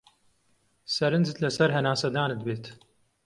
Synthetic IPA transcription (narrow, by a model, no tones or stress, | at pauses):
sɐɾɨnzɨt̪lɐsɐɾɦɐnaːsɐd̪aːnɨd̪̚beːt̪